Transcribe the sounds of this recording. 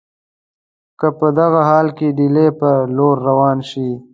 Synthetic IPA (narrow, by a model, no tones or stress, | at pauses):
kəpəd̪aɣaɦɑːlkeɖilepəloɾːawɑːnʃi